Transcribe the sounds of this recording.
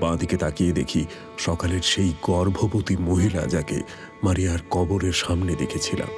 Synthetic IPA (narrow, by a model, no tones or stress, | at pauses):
bãd̪ʱiket̪akijed̪ekʰi | ʃɔkaleɾʃejɡɔɾbʱobot̪imoɦila̰d͡ʑakḛ | maɾijaɾkɔboɾeɾʃamned̪ekʰet͡ɕʰila̰m